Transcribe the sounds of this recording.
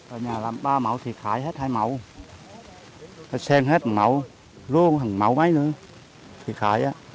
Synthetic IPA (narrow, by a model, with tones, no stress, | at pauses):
ʔəː˨˩ɲaː˨˩laː˨˩mɓaː˧ma˨˦wt̪ʰi˨˩xaː˨˦jɦe˦˥t̚haː˧jma˨˩˦w | ha˨˩sɛ˧ŋɦe˦˥t̚ma˨˦w | lu˧əŋha˨˩ŋma˨˦wma˨˦jnɨ˧˦ | t̪ʰi˨˩xaː˨˩˦jʔaː˨˦